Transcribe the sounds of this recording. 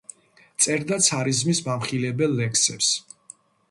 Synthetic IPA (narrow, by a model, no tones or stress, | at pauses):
t̪sʼɛɾd̪at̪sʰaɾizmismamχilɛbɛlːɛkʰsɛps